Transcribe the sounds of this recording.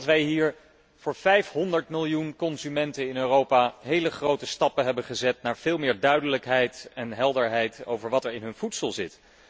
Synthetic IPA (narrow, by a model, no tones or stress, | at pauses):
tʋɛjɦiːɹ | v̥ʊːɹvɛjfɦɔndəɹtmɪlˠjunkɔnzymɛntənɪnøːrowpaɦejləχrowtəstɑpəɦɛbənχəzɛt̚naːɹv̥ɪːlˠmɪːɹdœɥdələkɦɛjtɛnɦɛlˠdəɹɦɛjto̰wvəɹʋɑtɛɹɪnɦɵnv̥utsəlˠzɪt